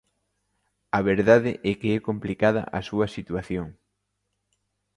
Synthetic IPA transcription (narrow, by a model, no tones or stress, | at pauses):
ɐβeɾðaðɪʔɛkeɛkomplikað̞ɐ̰ʔɐsuɐsit̪uaθjoŋ